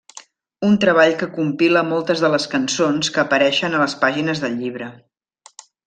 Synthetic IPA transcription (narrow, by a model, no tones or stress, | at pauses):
unt̪ɾəβ̞aʎkəkumpiləmɔlˠt̪əzðələskənsonskəːpəɾɛʃənələspaʒinəzðəʎʎiβ̞ɾə